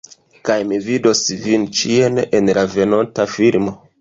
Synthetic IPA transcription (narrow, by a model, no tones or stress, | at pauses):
kajmivido̞svint͡ʃienenlave̞no̞ntafilmo̞